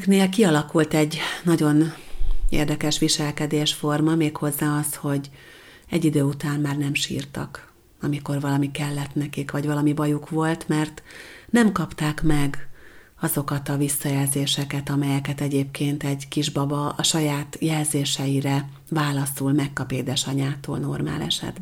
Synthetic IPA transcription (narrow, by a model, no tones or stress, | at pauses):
kneːlkiɒlɒkult̪ɛɟːnɒɟo̞n | ḛːrd̪ɛkɛʃʋiʃɛlkɛd̪eːʃfo̞rmɒmeːkho̞zːaːɒsho̞ɟ | ɛɟːid̪øːut̪aːnmaːrnɛmʃḭːrt̪ɒ̰k | ɒmiko̞rvɒlɒmikɛlːɛt̪nɛkikʋɒɟvɒlɒmibɒjukʋo̞lt̪mɛrt̪nɛmkɒpt̪aːkmɛɡ | ɒzo̞kɒt̪ɒvisːɒjɛlzeːʃɛkɛt̪ɒmɛjɛkɛt̪ɛɟeːpkeːnt̪ɛɟkiʒbɒbɒɒʃɒjaːt̪jɛlzeːʃɛjiɾɛ | vaːlɒsulmɛkːɒpeːd̪ɛʃɒɲaːt̪oːlno̞rma̰ːlɛ̰ʃɛ̰d̪b